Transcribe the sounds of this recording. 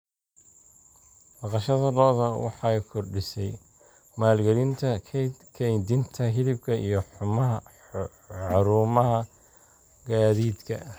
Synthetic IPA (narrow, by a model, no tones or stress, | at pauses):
mɑqɑʃɐðɐlɔːðɐwɑ̰ħɑjkʰɔrɖɪsɛj | maːlɡɐlɪnt̪ʰɐkʰɛjnd̪ɪnt̪ʰɐɦɪlɪb̚kʰɐʔḭjɞħʊmɐ | ħɑɾuːmɐɦɐ | ɡaːðiːd̪kʰɐ̰